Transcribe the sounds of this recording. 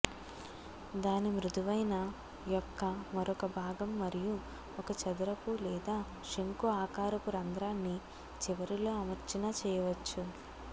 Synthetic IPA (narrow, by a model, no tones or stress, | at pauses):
d̪aːnimɾud̪uʋɐjnɐ | jɔkːɐmɐɾɔkɐbʱaːɡɐmːɐɾiju | ɔkɐt͡ʃɐd̪ɐɾɐkulɛːd̪aː | ʂieŋkuaːkaːɾɐkuɾɐnd̪ɾaːnːi | t͡ʃiʋɐɾilo̞ːɐmɐɾt͡ʃɐnɐt͡ʃɛːjɐʋɐt͡ʃːu